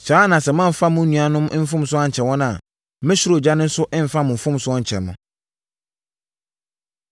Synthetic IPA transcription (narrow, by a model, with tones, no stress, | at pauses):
t͡ɕa˨˦nã˨sɛ˨mã˦m˨fa˦mʊ̃˦nũ˨a˨nʊ̃˦m˦m̩˦fʊ̃˦msʊ˦a˦ɲ̩˨t͡ɕʰɛ˨wɔ̃˦na˨˦ | mɪ̃˦ɕɪ˦ɾo˨d͡ʑa˦nʊ̃˦n̩˦sʊ˦ʔɪ̃˦m̩˨fa˦mʊ̃˨m̩˨fʊ̃˦m˦sʊ˦ɔ˦ɲ̩˨t͡ɕʰɛ̰˨mʊ̃˨